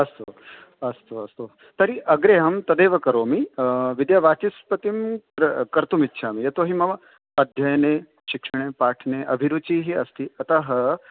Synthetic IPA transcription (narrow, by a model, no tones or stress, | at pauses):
ɐst̪o | ɐst̪oɐst̪o | t̪ɐɾiʔɐɡɾeːɦɐmt̪ɐd̪eːʋɐkɐɾoːmiʋid̪jaʋaːt͡ʃispɐt̪imɾɐkɐɾt̪umitːʃʰaːmijɐt̪oɦimɐʋɐ | ɐd̪ʱjɐjneː | ʃikʂɐɳ̃eːpaːʈʰneːʔɐbʱiɾut͡ʃiːɦiɐst̪iɐt̪ɐɦɐ